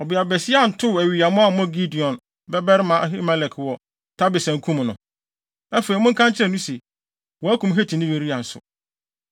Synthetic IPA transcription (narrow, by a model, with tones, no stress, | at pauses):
ɔ˨bɪ˨a˨bɛ˨sɪ˦a˦˨n̩˨tʰʊ˦˨æ˨ɥi˨a˨mʊ̃˦a˦˨˦mɔ̃˦ɡi˦di˨ɔ̃˨n | bɛ˦bɛ˦ɾɪ˦mã˨ʔɦi˦mɛ̃˦lɛ˨kʰwɔ˨ | tʰa˦bɪ˨sæ̃˨ŋ˦kʰũ˦m˨nʊ̃˨ | æ˦feː˨i˨mʊ̃˦ŋ̩˦kʰã˦ɲt͡ɕʰɪ˦ɾɛ˨nũ˦se˨ | wɔ˨æ˦kʰũ˨m˦ɦe˦tʰĩ˨nɪ̃˦je˨ɾi˦a˨n̩˨sʊ̰˨